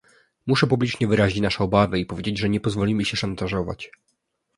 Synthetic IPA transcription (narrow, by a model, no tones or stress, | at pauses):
muʂɛpublʲit͡ʂɲɛvɘɾaʑit͡ɕnaʂɛɔbavɘipɔvʲed͡ʑed͡ʑʐɛɲɛpɔzvɔlʲimɘɕɛʂant̪aʐɔva̰t͡ɕ